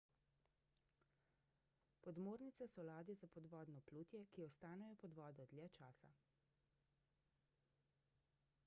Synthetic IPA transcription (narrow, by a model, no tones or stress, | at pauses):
pɔd̪moːɾnit̪sɛsɔlaːd̪izapɔd̪ʋɔːd̪nɔpluːt̪jɛkiɔst̪aːnɛjɔpɔd̪ʋɔːd̪ɔd̪lʲjɛt͡ʃaːsa̰